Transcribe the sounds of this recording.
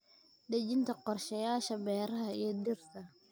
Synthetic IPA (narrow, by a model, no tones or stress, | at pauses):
ɖɛt͡ʃɪnt̪ʰɐqɔrʃɐjaːʃɐbɛːɾɐɦɐiɔd̪ɪrt̪ʰɐ